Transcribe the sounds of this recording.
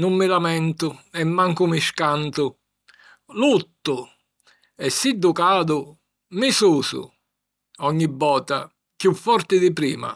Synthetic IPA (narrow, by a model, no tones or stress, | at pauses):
nʊmːɪlamɛnt̪ʊɛmːaŋkʊmiʃkant̪ʊ | lut̪ːʊ | ɛsːid̪ːʊkaːd̪ʊ | misuːsʊ̰ | ɔɲːibːɔːt̪a̰ | kjufːɔɾt̪ɪd̪ɪpɾḭːma̰